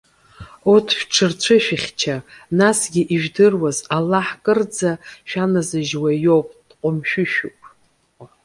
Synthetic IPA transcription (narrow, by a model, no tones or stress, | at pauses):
otʰʃʷᶣʈ͡ʂʰɨrt͡ɕʷʰɨʃᶣɪχʲt͡ʃʰanasɡʲiʔiʒᶣdɨrwazalːaħkʼɨrd͡zaʃᶣanazɨʒwajo̞wpʼd̥qʼʊmʃᶣʊʃᶣupʼ